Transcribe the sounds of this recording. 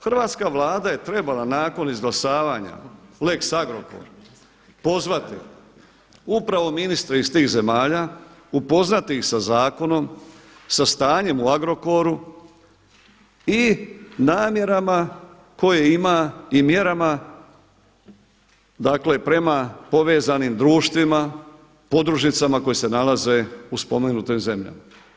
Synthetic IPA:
xr̩ʋaːt̪skaʋlˠaːd̪aje̞t̪ɾe̞balanaːko̞nizɡlasaːʋaɲa̰leksaɡɾo̞ko̞̰ɾ | po̞zʋat̪ḭ | upɾaʋo̞minist̪ɾeist̪iːɣze̞maːʎaːupo̞znat̪ixsazaːko̞no̞msast̪aːɲe̞muaɡɾo̞ko̞ɾu | inaːmje̞ɾama | ko̞jeimaimje̞ɾama | d̪akle̞pɾe̞mapo̞ʋe̞ːzanimd̪ɾuːʃt̪ʋima | po̞d̪ɾuʒnit̪samako̞jese̞nalaze̞uspo̞meɡnut̪imze̞mʎa̰ma

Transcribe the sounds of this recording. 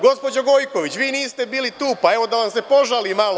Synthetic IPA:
ɡo̞spo̞d͡ʑoɡo̞jko̞ʋit͡ɕʋiːniːst̪e̞biːlit̪uːpae̞ʋo̞d̪aʋamse̞po̞ʒaliːmalo

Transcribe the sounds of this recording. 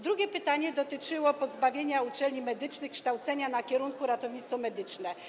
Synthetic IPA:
d̪ɾuɡʲɛpɘt̪aɲɛd̪ɔt̪ɘt͡ʂɘwɔpɔzbavʲjeɲaut͡ʂɛlɲimɛd̪ɘt͡ʂnɘxkʂt̪awt̪sɛɲanakʲɛɾuŋkuɾat̪ɔvɲit̪sfɔmɛd̪ɘt͡ʂnɛ

